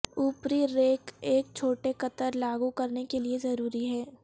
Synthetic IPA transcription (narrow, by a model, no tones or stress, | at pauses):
uːpɾiɾeːkeːk̚t͡ʃʰoːʈekɐt̪əɾlaːɡukɐɾnekeliezɐɾuːɾiɦɛː